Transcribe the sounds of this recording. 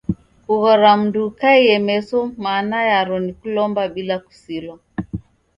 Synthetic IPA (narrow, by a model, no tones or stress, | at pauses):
kuɣɔɾam̩dukaijɛmɛsɔmaːnajaɾɔnikulɔmbaɓilaku̥silwa